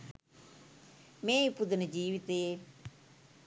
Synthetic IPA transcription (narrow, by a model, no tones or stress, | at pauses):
mẽːipʊd̪nəd͡ʒiːʋit̪eː